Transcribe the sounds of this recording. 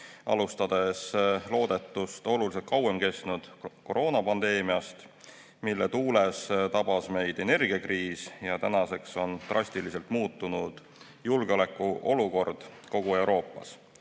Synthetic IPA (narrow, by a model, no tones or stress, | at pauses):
ʔɑ̰lust̪ɑd̪̥e̞slo̞ːd̪̥e̞t̪ːˑust̪o̞lulise̞t̪̚kɑwe̞mke̞st̪nud̪̥ko̞ɾʔo̞ːnɑpɑnd̪e̞ːmiɑst̪ | milːet̪uːlest̪ɑb̥ɑsme̞jd̪̥e̞ne̞rɡ̥iɑkriːsjɑt̪ænɑse̞kso̞nt̪rʔɑsʲt̪ilise̞lt̪ˑmuːt̪ːunud̪̥ | julɡ̥eo̞le̞kˑːuʔo̞luko̞rd̪̥ko̞ɡ̥ue̞wɾʔo̞ːpːˑɑ̰s